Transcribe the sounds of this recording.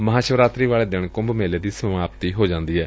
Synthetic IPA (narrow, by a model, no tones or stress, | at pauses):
məɦaːʃəʋɾaːt̪ɾiːʋaːɭeːd̪ɪɳkʊ̃mbmeːleːd̪iːsəmaːpt̪iːɦoːd͡ʒãːnd̪iːɦɛː